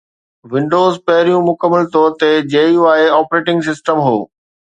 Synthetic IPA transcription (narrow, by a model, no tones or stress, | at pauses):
ʋɪ̃ɳɖoːzpɐɦɪɾijũmʊkəmːəlt̪ɔːɾt̪ed͡ʑeːiũaːeɔːpɾeːʈɪ̃ŋɡs̬ɪsʈəmɦoː